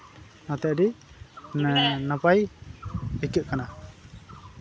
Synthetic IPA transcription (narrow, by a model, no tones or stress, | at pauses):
nat̪ɛʔ̚ɾi | napaj | əkuʔ̚kana